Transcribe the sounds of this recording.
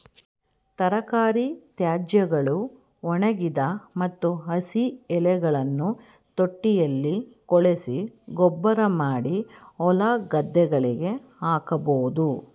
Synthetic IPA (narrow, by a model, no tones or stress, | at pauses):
t̪ɐɾɐkaːɾit̪jaːd͡ʒjɐɡɐɭu | ɔɳɐɡid̪ɐmɐt̪ːuɦɐsiɛlɛɡɐɭɐnːu | t̪oʈːijɐlːikɔɭesiɡɔbːɐɾɐmaːɽiɔlaːɡɐd̪ːɛɡɐɭiɡe̞ | aːkɐboːd̪u